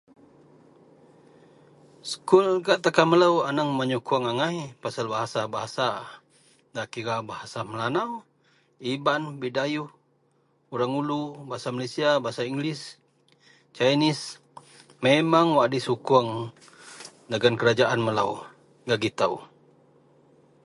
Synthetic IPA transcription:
sə̥kulɡaʔt̪akaməlawanaŋmaɲukuaŋaŋajpasalbaɦasabaɦasa | dakiɾabahasaməlanaw | ibanbidajuh | uɾaŋulubaɦasamalesiabaɦasaiŋɡlis | t͡ʃajnis | memaŋwaʔdisukuaŋ | daɡankəɾad͡ʒaʔanməlaw | ɡaɡit̪aw

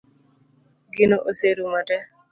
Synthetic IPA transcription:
ɡinɔʔoseɾumatɛ

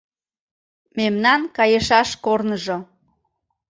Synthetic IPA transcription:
memnɑnkɑjəʃɑʃkornəʒo

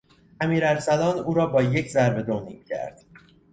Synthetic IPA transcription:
ʔæmiːɾælsælɒːnuːɾɒːbɒːje̞cʰzæɾbe̞d̪onḭːmcʰæ̰ɾd̪̥

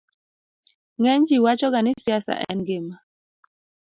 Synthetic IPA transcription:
ŋɛɲd͡ʒiwat͡ʃɔɡanɪsjasa̰ʔɛ̰nɡɪma

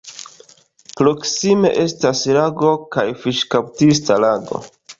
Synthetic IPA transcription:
pɾo̞ksime̞̰ʔe̞staslaɡo̞kajfiʃkaw̚tistalaɡo̞̰

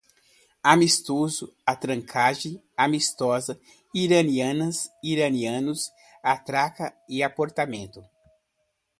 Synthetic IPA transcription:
amist̪ozʊat̪ɾɐ̃ŋkʰaʒẽ | amist̪ɔzɐ | iɾɐniɐ̃nɐsiɾɐniɐ̃nʊs | at̪ɾakɐɪapoɾt̪amẽnt̪ʊ

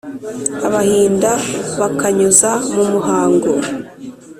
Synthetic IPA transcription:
aβahiːndaβakaɲuzamumuɦaːŋɡo

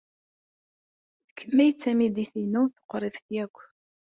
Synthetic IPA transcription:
θə̥kʰːəmːæjt͡sːæmid̪iθinuθə̥qːɾˤɪfθjækʷː

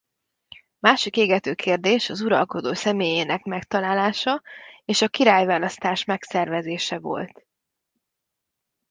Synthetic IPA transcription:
maːʃikeːɡɛt̪øːkʰeːrd̪eːʃɒzuɾɒ̰lko̞d̪oːsɛmeːjeːnɛkmɛkt̪ɒlaːlaːʃɒeːʃɒkiɾaːjvaːlɒst̪aːʃmɛksɛrvɛzeːʃɛvo̞̰lt̪

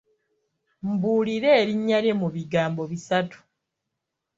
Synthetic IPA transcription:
m̩buːliɾe̞ːɾiɲːalemuβiɡaːmbo̞βisatu̥

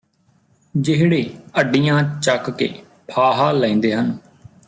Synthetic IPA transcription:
d͡ʒɪɦɽeːəɖːijãːt͡ʃəkkḛː | pʰaːɦaːlɛ̃ĩːnd̪eːɦən

